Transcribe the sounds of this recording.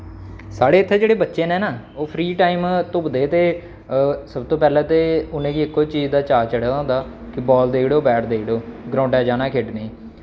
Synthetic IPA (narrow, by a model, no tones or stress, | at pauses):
saːɽeːɪt̪ʰːeːd͡ʒeːɽeːbətːʃeːnɛ̃ːnaː | oːpʰɾiːʈaːiːmt̪ʊpd̪eːt̪eː | səbt̪õːpɛːlɛ̃ːt̪eːʊnẽːkiɪkːoːt͡ʃiːzd̪aːt͡ʃaːt͡ʃəɽaːãːnd̪aː | kɪbɔːld̪eːkɽoːbɛːʈʰd̪eːkɽoːɡɾõːɳɖɛːd͡ʒaːnaːkʰeːʈnẽː